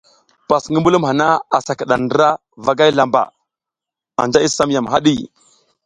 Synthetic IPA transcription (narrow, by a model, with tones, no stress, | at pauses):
pa˨sŋi˦mbu˦lu˦ma˨na˦a˨sa˨ka˨ɗa˨ndə˦ɾa˦ | va˨ɡa˦jla˨mba̰˨ | a̰˨nd͡ʒa˦i˦sa˦mja˨mɦa˦ɗi˦˨